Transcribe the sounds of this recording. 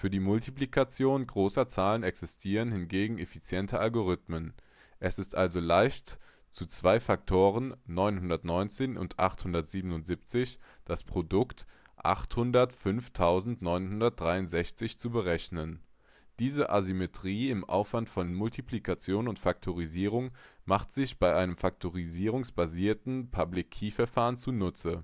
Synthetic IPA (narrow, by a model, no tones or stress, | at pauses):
fyːɐdiːmʊltʰiplikʰat͡sjoːnɡʁoːsɐt͡saːlənɛksɪstʰiːʁ̞ənhɪnɡeːɡŋ̩efit͡sjɛntʰəʔalɡoʁ̞ʏtmən | ʔɛsɪstʔalzolaɪçt | t͡sut͡sv̥aɪfak̚tʰoːʁ̞ənːɔʏnhʊndɐtnɔʏnt͡seːnʊ̰ntʔa̰χthʊndɐtz̥iːbənʊntz̥ip̚t͡sɪçd̥aspʁ̥odʊkt | ʔa̰χthʊndɐtfʏnftʰaʊzn̩tnɔʏnhʊndɐt̚d̥ʁaɪʊntz̥ɛçt͡sɪçt͡subəʁɛçnən | d̥iːzəʔazymetʁ̥iːɪmʔa̰ʊfv̥antfɔnmʊltʰiplikʰat͡sjoːnʊntfak̚tʰoʁiziːʁ̞ʊŋmaχtz̥ɪçb̥aɪʔaɪnəmfak̚tʰoʁiziːʁ̞ʊŋsb̥aziːɐtn̩pʰablɪkʰːiːfɛɐfaːʁənt͡sunʊt͡sə